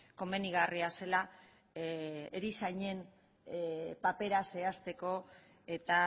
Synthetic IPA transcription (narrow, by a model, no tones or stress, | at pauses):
ko̞me̞niɣariase̞la | eɾisajɲe̞n | pape̞ɾase̞ast̪e̞ko̞ | e̞t̪a